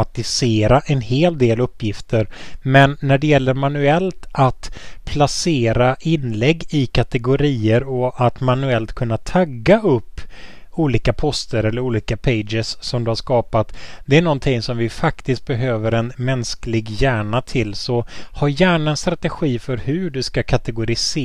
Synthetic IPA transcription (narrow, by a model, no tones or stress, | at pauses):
at̪ɪseːɾaʔɛnheːld̪eːlɵpːjɪft̪ʰəɾmɛnːæɖɛjɛlːəɾmanɵɛlt̪at̪pʰlaseːɾaʔɪnlɛɡːɪkʰat̪ɛɡʊɾiːəɾɔat̪manɵɛlt̪kʰɵnːat̪ʰaɡːaɵpː | uːliːkapʰɔst̪əɾɛlːəɾuːliːkapʰeɪd͡ʒɪsːɔmd̪ɵhaʂkɑːpat̪d̪̥ɛæɳɔnt̪ʰɪŋsɔmvɪfakt̪ɪst̪̚bɛɦøːvəɾɛnmɛnsklɪɡjæːɳat̪ʰɪlːsɔhaɾjæːɳaɛnst̪ɾat̪ɛɧiːfœɾhɵɖɵskakʰat̪ɛɡʊɾɪs